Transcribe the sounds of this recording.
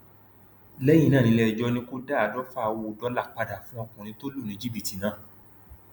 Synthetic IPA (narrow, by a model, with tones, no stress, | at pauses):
lɛ˦jĩ˧nãː˦˨nĩ˧lɛ˦˨d͡ʒɔ˧nĩ˧ko˦da˦a˨dɔ˦fa˦˨wdɔ˨˦la˦˨k͡pa˧da˨fũ˦ɔ˧kũ˨nĩ˧to˦lo˦˨nẽ˨˦d͡ʒi˦bi˨ti˨nãː˨˦˨